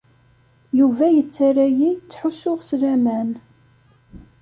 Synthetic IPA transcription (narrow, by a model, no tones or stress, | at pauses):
juvæjət͡sːaɾæjit͡sːħuʃʊʁslæmæn